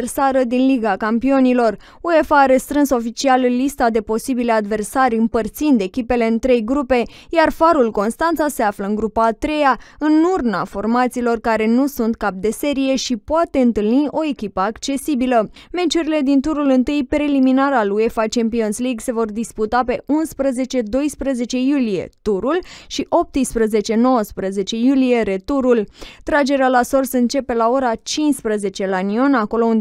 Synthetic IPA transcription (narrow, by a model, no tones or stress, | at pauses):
rsaɾəd̪inliɡakampio̞nilo̞r | ue̞faːɾest̪ɾɨnso̞fit͡ʃialɨlːist̪ad̪e̞po̞sibilead̪ve̞rsaɾʲɨmpərt̪sind̪e̞kʲipe̞le̞ɨnt̪ɾe̞jɡɾupe̞jarfaɾulko̞nst̪ant̪sase̞afləɨŋɡɾupaːt̪ɾe̞jaɨnurna̰fo̞rmat̪siːlo̞rkaɾe̞nusunt̪̚kap̚d̪e̞se̞ɾije̞ʃipoat̪e̞ɨnt̪ɨlniʔo̞e̞kʲipəakt͡ʃe̞sibiləme̞t͡ʃuɾile̞d̪int̪uɾulɨnt̪ɨjpɾe̞liminaɾalue̞fat͡ʃe̞mpio̞nsliɡse̞vo̞rd̪isput̪ape̞ʔunspɾəze̞t͡ʃe̞d̪o̞jspɾəze̞t͡ʃe̞julije̞̰t̪uɾulʃiʔo̞p̚t̪ɨspɾəze̞t͡ʃe̞no̞wəspɾəze̞t͡ʃe̞julije̞ɾe̞t̪uɾult̪ɾad͡ʒe̞ɾealaso̞rsəɨnt͡ʃe̞pe̞lao̞ɾat͡ʃinspɾəze̞t͡ʃe̞lanio̞nako̞lo̞und̪